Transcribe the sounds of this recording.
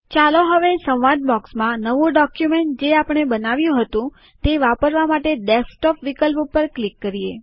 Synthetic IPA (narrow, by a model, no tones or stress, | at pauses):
t͡ʃaloɦəʋesə̃wʋaɖ̚bɔksmãnəʋũɖɔkjumeɳʈ̚d͡ʒeapəɳ̃ebənaʋjũɦət̪ũ | t̪eʋapəɾʋamaʈeɖesʈɔpʋikəlppəɾklikːəɾije